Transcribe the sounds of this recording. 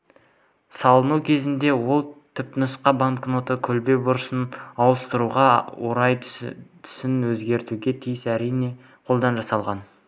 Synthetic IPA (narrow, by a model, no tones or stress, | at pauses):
sɑlˠənukʲʰe̞zɪnd̪e̞wo̞lˠt̪ʰʏp̚nəsqɑbaŋkno̞t̪əkʲʰɵlbe̞bʊɾəsənɑwəst̪əɾuʁɑwoɾɑjt̪ʰʏ̥sɪnwɵzɡʲe̞ɾt̪uɡʲe̞t̪ʰijɪsæɾijne̞ | qʰo̞lˠd̪ɑnʒɑsɑlˠʁɑn